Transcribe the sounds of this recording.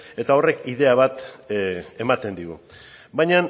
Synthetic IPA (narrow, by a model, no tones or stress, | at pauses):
e̞t̪ao̞re̞kiðe̞aβ̞at̪ | e̞mat̪e̞nd̪iɣu | bajɲan